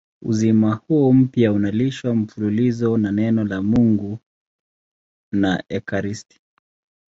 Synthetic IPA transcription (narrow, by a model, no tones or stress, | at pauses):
ṵzimahuɔm̩pjaunaliʃwam̩fululizɔnanɛnɔlamuŋɡu | naʔɛkaɾisti̥